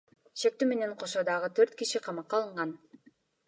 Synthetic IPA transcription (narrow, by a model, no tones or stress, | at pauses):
ʃek̚t̪yme̞ne̞ɴqʰo̞ʃod̪ɑʁɯt̪ʰø̞ɾt̪kiʃiqʰɑmɑqːɑlˠɯɴʁɑn